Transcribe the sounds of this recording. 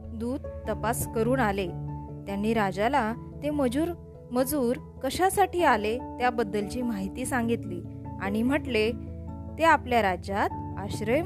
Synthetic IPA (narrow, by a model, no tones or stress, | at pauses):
d̪uːd̪̚t̪əpaskəɾuːnalet̪janːiːɾad͡ʑala | t̪eməd͡ʑuːɾ | məd͡zuːɾ | kəɕasaʈiːalet̪jabəd̪ːəlt͡ɕiːmaɦit̪iːsãŋɡit̪liːa̰ɽ̃im̤əʈlet̪eapljaɾad͡ʑat̪̚ | aɕɾəj